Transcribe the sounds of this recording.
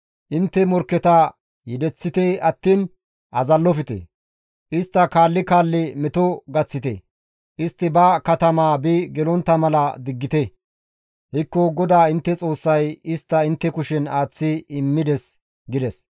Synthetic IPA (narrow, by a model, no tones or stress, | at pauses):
ʔɪnt̪ːɛmɔɾkːɛt̪ɐ | jɛd̪ɛt͡sːɪt̪eɐt̪ːiːn | ʔɐzɐlːɔfɪt̪ḛ | ʔɪst̪ːɐkaːlːɪkaːlːɪmɛt̪ɔɡɐt͡sːɪt̪ḛ | ʔɪst̪ːɪbɐkɐt̪ɐmaːbiɡɛlɔnt̪ːɐmɐlɐd̪ɪɡːɪt̪e | hɪkːɔɡɔd̪aːɪnt̪ːɛt͡sʼo̞ːsːɐjɪst̪ːɐɪnt̪ːɛkʊʃɛnaːt͡sːɪɪmːɪd̪ɛs | ɡɪd̪ɛs